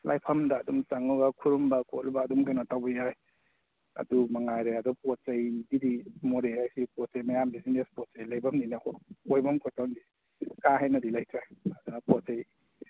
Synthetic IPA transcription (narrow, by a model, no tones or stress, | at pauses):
lajpʰɐmdaːdumt͡ʃaŋɔɡakʰuɾumbakʰo̰lbaːdumkanatawbajaj | ɐ̰dumaŋajɾeadupɔt͡ʃajdidimoɾeajsipɔt͡ʃajmajamdizinespɔt͡ʃajlajbɐmninakʰɔojbamkʰɔtawndi | kaɦajnɐdilajtʰɾaadunapɔt͡ʃaj